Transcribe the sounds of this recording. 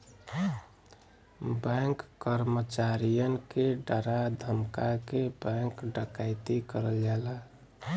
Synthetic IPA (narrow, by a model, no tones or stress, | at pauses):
bɛ̃ŋkːəɾmət͡ʃaɾijənkeɖəɾad̪ʱəmkakebɛ̃ŋkɖəkaɪt̪ikəɾəld͡ʒala